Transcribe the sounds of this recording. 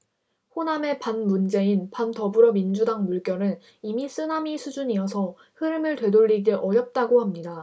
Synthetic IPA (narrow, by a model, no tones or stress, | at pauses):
ɸoname̞panmund͡ʑe̞inpantʌbuɾʌmind͡ʑudaŋmuɭk͈jʌnɯn | imis͈ɯnamisʰud͡ʑuɲijʌsʰʌ | hɯɾɯmɯɭtwe̞doʎːiɡeʔʌɾjʌp̚t͈aɡohamɲida